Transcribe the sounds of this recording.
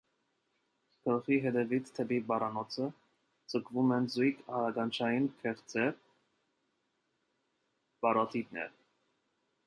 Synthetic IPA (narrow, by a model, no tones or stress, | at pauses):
kʰəlχiɦɛd̪ɛvit̪ʰt̪ʰːɛbibɑrɑnɔt͡sʰə | t͡səkʰvumɛnzujkʰɑɾɑɡɑnt͡ʃʰɑjinkʰɛχt͡sʰɛ | b̥ɑɾɔt̪ʰit̪nɛ̰ɾ